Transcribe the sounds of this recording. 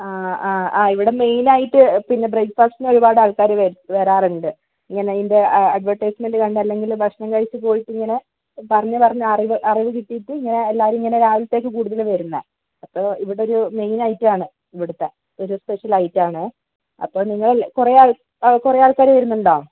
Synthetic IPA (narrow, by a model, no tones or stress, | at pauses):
aːaːaːiʋiɽe̞me̞jnaːjiʈːɨpinːe̞brekpaːksineo̞ɾubaːɽaːɭkaːɾʋeʋeːɾaːruɳɖɨ | iŋːɐne̞inde̞ɐɖʋɐʈːɐjsmendɨkɐɳɖɨɐlːe̞ŋɡilbʱɐkʂɐɳɐŋkaːɻit͡ɕːɨp̬o̞ːjiʈːiŋːɐne̞ | pɐrɐɲːɨpɐrɐɲːɐɐriʋɨʔɐriʋɨkiʈːijiʈːɨiŋːɐne̞ːlːaːʋɾmiŋːɐne̞ɾaːʋulɨt̪ːe̞ːkːɨkuːɽuðɐlʋɐɾunːɐ | ɐpːo̞ːiʋiɽeo̞ɾume̞jnɐjitːɨaːɳɨ | iʋiɽɐt̪ːe̞ | oɾuspe̞ʂɐlɐjtːaːɳɨ | ɐ̰pːo̞ːɭniŋːɐɭkureaːɭ | kurejaːɭkaːɾʋɐɾunːuɳɖoː